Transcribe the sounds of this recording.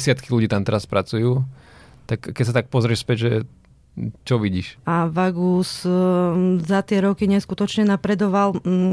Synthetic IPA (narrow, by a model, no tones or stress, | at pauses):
sɪat̪kiluɟiːt̪amt̪ɛɾaspɾat͡sujuːt̪akːɛcs̬at̪ak̚pɔzɾɪɛʃspɛɟʒɛ | t͡ʃɔʋiɟiːʃaʋaɡus | zat̪ɪɛɾɔkiɲɛskut̪ɔt͡ʃɲɛnapɾɛd̪ɔʋal